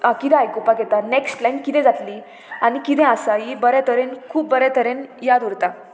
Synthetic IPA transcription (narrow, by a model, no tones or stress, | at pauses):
ãkit̪ɛ̃ajkopaɡet̪aneksʈlajnkit̪ɛ̃d͡zat̪li | añikit̪ɛ̃asajibəɾɛt̪ʰəɾenkʰuːp̚bəɾɛt̪ʰəɾenjad̪uɾt̪a